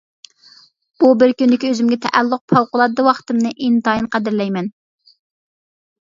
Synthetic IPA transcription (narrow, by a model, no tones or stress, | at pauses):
b̥ubɪɾkʲynd̪ɪkʲøzymɡʲɛt̪ʰɛʔælːʊq̚pʰɑwqʊlˠɑd̪d̪ɨwɑχt̪ɨmnɨʔint̪ɑjinqʰæd̪ɪɾlɛjmɛn